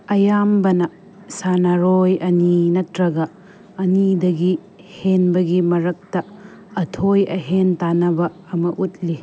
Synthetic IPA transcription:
ɐjambɐnɐ | sanaɾojɐninɐtɾɐɡɐː | nidɐɡi | henbɐɡimɐɾɐk̚tɐ | ɐtʰojɐ̰ɦentanɐbɐːmɐʔut̚li

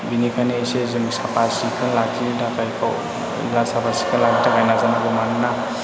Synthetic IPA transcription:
binikʰanesezɯŋsapasikʰɯnlakʰidakʰajkʰa̰w | ḭlasapasi̥kʰɯnlakʰitʰaɡajnazana̰ɡɯmanna

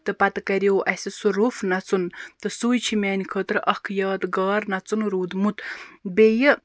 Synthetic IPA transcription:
t̪ɨpɐt̪ɨkɐɾioːʔɐsʲisuɾufnɐt͡sunt̪ɨsujt͡ʃʰimʲɛːnikʰət̪ɾʔɐkʰjaːt̪ɡaːɾnɐt͡sunɾuːd̪mut̪bejə

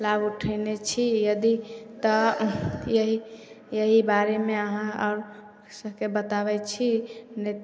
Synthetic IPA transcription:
labuʈʰəjnet͡ʃʰijəd̪it̪ə | jəɦi | jəɦibaɾemeəɦãə̰ɾ | səɦkebət̪aβɛt͡ʃʰinet̪

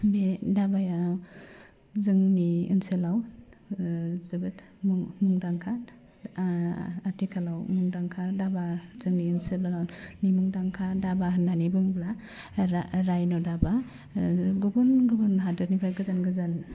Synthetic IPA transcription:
bedabaja | zɯŋniɯnsɯlaw | zɯbɯt | mmuŋdaŋkʰa | atʰikʰalawmuŋdaŋkʰadabazɯŋniɯnsɯlawnimuŋdaŋkʰadabananibɯŋbla | aɾajnɔdaba | ɡubunɡɯbunɦadɯɾnibʰɾajɡɯzanɡɯzan

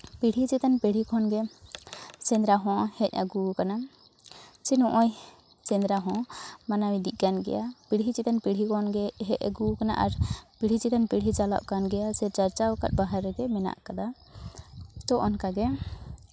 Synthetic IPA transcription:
piɽ̤ʱit͡ʃit̪anpiɽ̤ikʰɔnɡɛ | sɛ̃nd̪ɾaɦɔ̃hɛc̚ˀəɡukana | t͡ʃinɔʔɔj | t͡ʃɛ̃nd̪ɾaɦɔ̃manawĩd̪iʔˀɡanɡɛ̰japiɽ̤ʱit͡ʃit̪anpiɽ̤ʱikɔnɡɛɦɛc̚a̰ɡukana̰ʔaɾpiɽ̤it͡ʃit̪anpiɽ̤it͡ʃala̰ʔkanɡɛjasɛɾt͡ʃaɾt͡ʃaɔka̰t̪̚baɦaɾːɛɡɛmɛna̰ʔkad̪a | t̪ɔʔɔnkaɡɛ

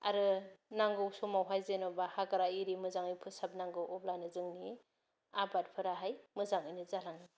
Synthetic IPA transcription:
a̰ɾɯnaŋɡɯwsomawɦajzenobahaɡaɾaiɾimɯzaŋɯjpʰɯsap̚naŋɡɯwʔɔblajnɯzɯŋni | abat̚pʰɯɾaɦajmɯzaŋɯjnɯzalaŋni

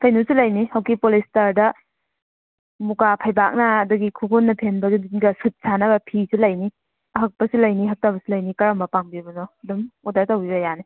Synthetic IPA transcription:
kʰajnusilɐjnihawkipolistaɾdɐ | mukapʰajbak̚nɐːdɐɡikʰuɡunːɐpʰenbɐdudinɡɐsɯt̚sanɐbɐpʰisilɐjni | ɐɦɐk̚pɐsilɐjniɦɐk̚tabɐsilɐjnikɐɾambɐpaŋbibɐnodumudatawbibɐjani

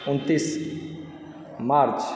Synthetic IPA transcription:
unt̪is | maɾt͡s

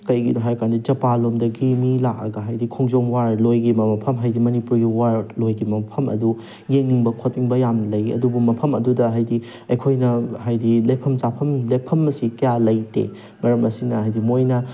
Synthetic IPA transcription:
kɐjɡidoɦajkandid͡ʒɐpalomdɐɡimilak̚ɐ̰ɡɐɦajdikʰoŋzoŋwaɾlojɡimɐmɐpʰɐmɦajdimɐnipuɾɡiwaɾlojɡimɐpʰɐmɐ̰du | jeŋniŋbɐkʰot̚ːiŋbɐjamlɐjɐ̰dubumɐpʰɐmɐdudɐɦajdi | ɐjkʰojnɐhajdilɐjpʰɐmzapʰɐmlejpʰɐmːɐsikɐjalɐjtḛ | mɐɾɐmɐsinɐɦajdimojnɐ

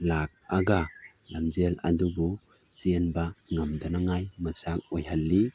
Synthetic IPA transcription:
lak̚aɡa | lamzelɐ̰dubu | t͡ʃienbaŋamdɐnaŋajmɐsak̚ojhalːi

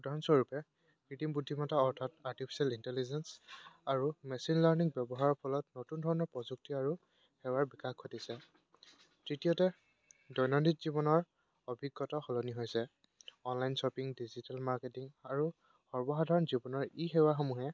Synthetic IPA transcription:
xudʱaɹɔnsɔɹupɛ | kitimbudʱːimɔtaɔɹtʰataɹtipʰi̥salintɛlizɛnsaɹumɛsinlaɹniŋbɛbɔɦaɹɔpʰɔlɔtnotundʱɔɹɔnɔɹpɹɔzuk̚tiaɹu | hɛwaɹbikaxkʰɔtisɛ | tɹitijɔtɛ | dɔjnɔnditzibɔnɔɹ | ɔbʱiɡːɔtɔxɔlɔniɦojsɛ | ɔnlajnsɔpiŋdizitalmaɹketiŋaɹu | xɔɹbɔxadʱaɹɔnzibɔnɔɹiɦɛwaxɔmuɦɛ

